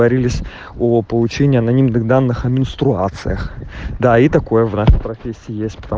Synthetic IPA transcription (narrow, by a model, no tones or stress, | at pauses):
ɐɾʲilʲɪsʲ | opəlˠʊt͡ɕenʲɪːɐnɐnʲimnɨɣd̪anːɨxɐmʲɪnst̪ɾʊa̰t̪sɨ̰jəxd̪ait̪ɐko̞jəvnaʂɨjpɾɐfʲesʲːɪɪjesʲtʲpə̥t̪ɐ